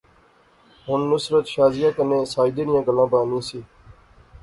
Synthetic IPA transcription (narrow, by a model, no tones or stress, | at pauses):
ɦʊnːʊsɾət̪ʃaːzɪjãːkənẽːsaːid̪eːnɪjãːɡəlãːbãːnĩːsiː